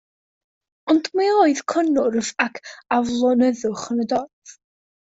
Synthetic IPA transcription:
ɔndmeoːɨð̥kʰənʊrvakʰavlˠɔnɛðʊχənədɔrð̥

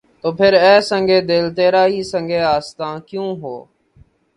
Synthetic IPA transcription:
t̪oːpʰɪɾɛːsəŋɡeːd̪eːlt̪eːɾaːɦiːsə̃ŋɡʱeːaːst̪ãːkjũːɦo̰ː

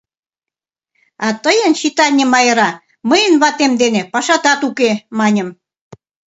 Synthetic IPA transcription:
ɑt̪əjə̆nɕit̪ɑnʲə̆mɑjə̆ɾɑ | məjənβɑt̪emd̪enepɑʃɑt̪ɑt̪ukemɑnʲə̆m

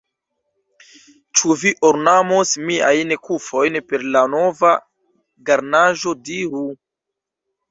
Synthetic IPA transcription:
t͡ʃuviʔoɾnamosmia̰jnkufo̞jnpe̞ɾlano̞va | ɡaɾnaʒo̞diɾu

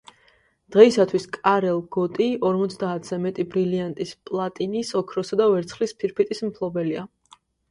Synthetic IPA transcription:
d̪̥ʁɛisat̪ʰwiskʼaɾɛlˠɡɔt̪ʼiɔɾmɔt̪sʰd̪aːt̪ʰz̥ɛmɛt̪ʼibɾiliant̪ʼispʼlˠat̪ʼinisɔkʰɾɔsad̪avɛɾt̪sʰχlispʰiɾpʰit̪ʼismpʰlˠɔbɛlia

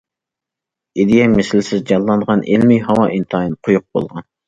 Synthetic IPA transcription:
id̪ijɛmɪsɪlsɪzd͡ʒɑlˠːɑnʁɑnʔelmiɦɑwɑʔint̪ʰɨɑjinɨqʰʊjuq̚bo̰lˠʁɑn

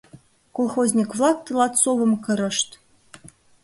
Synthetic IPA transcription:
kolˠxozʲnʲikvlˠɑk̚t̪ɤlˠɑt̪soβɤ̆mkɤ̆ɾɤ̆ʃt̪

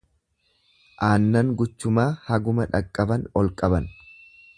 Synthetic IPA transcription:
ʔaːnːɐŋɡʊt͡ʃːʊmaːhɐɡʊmɐᶑɐkʼːɐbɐnɔlkʼɐbɐn

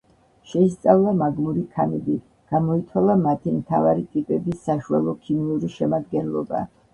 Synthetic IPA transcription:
ʃɛist̪sʼavlˠamaɡmuɾikʰanɛbi | ɡ̥amɔit̪sʰwalˠamat̪ʰimt̪ʰavaɾit̪ʼipʼɛbisːaʃualˠɔkʰimiuɾiʃɛmad̪̚ɡɛnlˠɔ̰ba̰

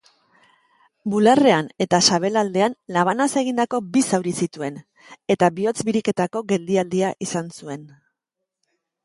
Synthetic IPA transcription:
bulare̞ane̞t̪asaβ̞e̞lald̪e̞anlaβ̞anase̞ɣ̞ind̪ako̞bisawɾisit̪ue̞n | e̞t̪aβio̞t͡sbiɾike̞t̪ako̞ɣe̞ld̪iald̪iaʔisansue̞n

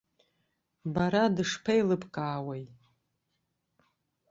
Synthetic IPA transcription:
baɾadɨʂpʰejlɨpʰʼkʼaːwej

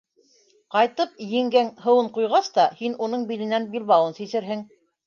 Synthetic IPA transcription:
qɑjt̪ɤp̚jɘ̆ŋɡæŋhɤ̆wɤɴqujʁɑst̪ɑhinunɤɴbilɘ̆nænbilβɑwɤnsisɘ̆ɾɦɘŋ

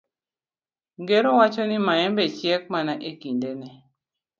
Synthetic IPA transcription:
ŋɡeɾowat͡ʃɔnimaɛmbɛt͡ʃjɛk̚manaʔekindenɛ

